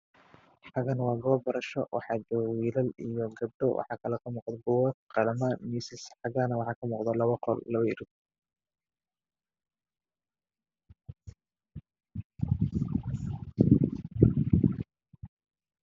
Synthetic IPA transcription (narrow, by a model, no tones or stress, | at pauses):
ħɑɣɐnwɑːɡɔːbɐɾɐʃɔwʔɑ̰ħɑd͡ʒɐwiːlɐlijɔɡɐb̚ɖɔwʔɑ̰ħɑːkʰɐlɛkʰɐmuːqd̪ɐɡʊwɐt̪̚qɑlɐmɐmiːsɪsħɑɣaːnɐwɑħɑːkʰɐmuːqd̪ɐlɐβɐqɔlːɐβɐɪɾɪɡ̚